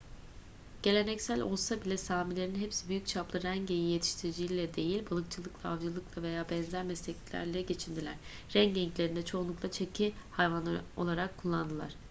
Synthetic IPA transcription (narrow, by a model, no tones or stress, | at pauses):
ɟ̥e̞lʲe̞nɛcsælʲo̞̰lˠsabilʲɛsaːmilʲeɾinɦepsibyjyc̚t͡ʃʰaplˠɯɾæɲɟejijet̪ʰi̥ʃt̪ʰiɾid͡ʒijilʲɛd̪e̞jilʲbalˠɯkt͡ʃʰɯlˠɯklˠaavd͡ʒɯlˠɯklˠave̞jaːbɛnzæɾmɛslʲecʲilʲæ̰ɾlʲɛɟe̞t͡ʃʰind̪ilʲæɾ̥ | ɾɛŋɟɛɲclʲeɾind̪ɛt͡ʃʰo̞unlˠuklˠat͡ʃʰecʰihajvano̞̰lˠaɾakʰːulˠːand̪ɯlˠa̰ɾ̥